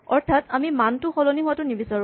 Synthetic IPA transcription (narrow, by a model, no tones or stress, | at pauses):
ɔɹtʰatamimantʊxɔlɔniɦʊwatʊnibisaɹ